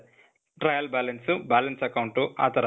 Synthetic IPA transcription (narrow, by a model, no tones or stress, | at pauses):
ʈɾɐjɐlbaːlɐnsubaːlɐnsɐkɐwuɳʈuʔa̰ːt̪ɐɾ